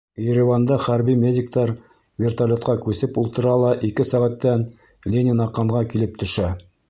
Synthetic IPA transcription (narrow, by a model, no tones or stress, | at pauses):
jeɾʲɪvand̪ɑχæɾbimʲedʲɪk̚t̪ɑɾ | vʲert̪alʲot̪qɑkʉsɘpulˠt̪ɤ̆ɾɑlˠɑʔikɘsæʁæt̪ːæn | lʲenʲɪnɑqːɑɴʁɑkilɘp̚t̪ʰɵ̆ʃæ